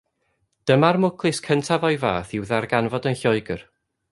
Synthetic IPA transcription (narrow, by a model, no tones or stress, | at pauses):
d̥əmarmʊkʰlˠɨskʰəntʰavɔjva̰ːθiwðarɡanvɔdənɬɔɨɡər